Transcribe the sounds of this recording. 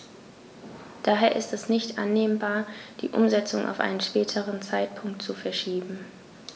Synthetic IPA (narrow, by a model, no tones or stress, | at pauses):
d̥aːɦeːɐʔɪstɛsnɪçtʔa̰nːeːmbaːɐd̥ḭːʔʊ̰mzɛt͡sʊŋʔa̰ʊfʔa̰ɪnənʃpɛːtʰəʁənt͡saɪt̚pʰʊŋktt͡sufɛɐʃiːbm̩